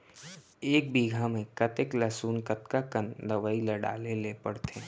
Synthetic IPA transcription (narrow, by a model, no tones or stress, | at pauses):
eːk̚biːɡʱamẽkət̪eklasuːnkət̪kakənd̪əʋəiləɽa̰ːlelepəɽt̪ʰeː